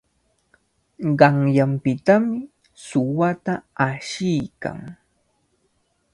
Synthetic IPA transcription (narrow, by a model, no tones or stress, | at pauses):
ɢɑŋjampɪt̪amɪ | sʊwat̪aaʃɪjka̰ŋ